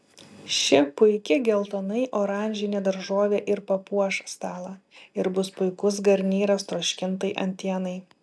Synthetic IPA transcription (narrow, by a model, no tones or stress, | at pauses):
ʃʲɪpʊɪkʲɪɡʲɛlˠt̪ɐnɐɪʔoːɾɑˑnʲʒʲɪnʲed̪ɐɾʒoːʋʲeːʔɪɾpɐpuɔʃst̪ɑːlˠɐɪɾbʊspʊɪkʊs̬ɡɐɾʲnʲiːɾɐst̪ɾoːʃʲkʲɪnt̪ɐɪʔɐ̰nʲt̪ʲiɛnɐɪ